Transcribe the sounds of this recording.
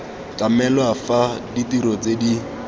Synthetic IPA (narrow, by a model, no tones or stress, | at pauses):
kamɛlwafaditiɾɔt͡sedi